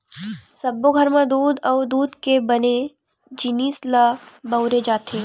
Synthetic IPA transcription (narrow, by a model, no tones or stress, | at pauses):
sɐbːoɡʱɐɾmãd̪uːd̪ɔːd̪uːd̪kebɐne | d͡ʒɪniːslabɐʊɾed͡ʒaːt̪ʰeː